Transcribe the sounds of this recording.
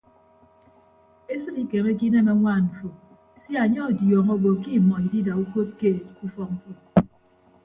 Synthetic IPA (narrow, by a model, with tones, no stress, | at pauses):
e˦sɨ˦ɾi˨ke˨me˦k̬i˦na˦na˨˦ŋʷa˦˨m̩˨fo˨˦ | si˦a˨ɲɔ˦˨djɔː˨ŋo˦bo˨ki˦˨mɔ˨i˨di˦da˨u˦ko˦t̚ke˦˨t̚ku˦fɔ˦m̩˨fo˨